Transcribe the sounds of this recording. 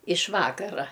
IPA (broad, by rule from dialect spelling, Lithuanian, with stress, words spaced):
ɪʃ ˈʋɑːkɐrɐ